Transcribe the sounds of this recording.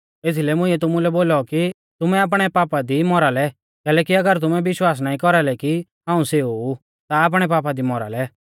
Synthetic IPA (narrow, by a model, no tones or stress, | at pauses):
eːt̪ʰilɛmʊ̃ɪiːɛt̪̬ʊmulɛboːlɔki | t̪ʊmɛaːp̬ɽ̃ɛpaːpad̪imɔɾalɛ | kɛːlɛːkiɐɡəɾt̪̬ʊmɛ̃ʋɪʃwaːs̬naːĩkɔɾalɛki | ɦãːũseːuu | t̪aːp̬ɽ̃ɛpaːp̬ad̪imɔɾa̰lɛ